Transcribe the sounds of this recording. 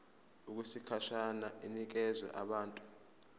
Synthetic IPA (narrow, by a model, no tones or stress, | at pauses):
uk̬usikʰaʃanaʔinik̬ɛzwɛ̰ʔaɓaːntʼu̥